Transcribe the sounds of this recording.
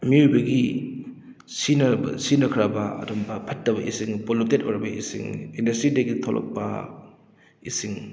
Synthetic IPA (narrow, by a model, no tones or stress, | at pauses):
miujbɐɡi | sinɐ̰sinɐkʰɾɐbɐɐ̰dɔmbɐpʰɐtːɐbɐʔisiŋpolutetoɾɐbɐʔisḭŋindɐstɾidɐɡitʰolʔɔ̰k̚pɐ̰ | isiŋ